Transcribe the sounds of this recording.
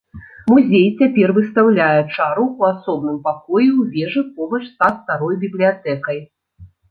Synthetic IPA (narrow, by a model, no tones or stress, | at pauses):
muzʲejt͡sʲapʲɛrvɨst̪awlʲajɛt͡ʂaɾuuasɔb̚nɨmpakɔjiwvʲɛʐɨpɔbɐt͡ʂst̪at̪st̪aɾɔjbʲiblʲijat̪ɛkɐj